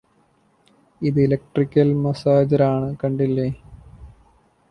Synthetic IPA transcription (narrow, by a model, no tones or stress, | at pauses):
iðɨelɐk̚ʈrikʲːɐlmɐsaːd͡ʑɐɾaːɳɨkɐɳɖilːɐ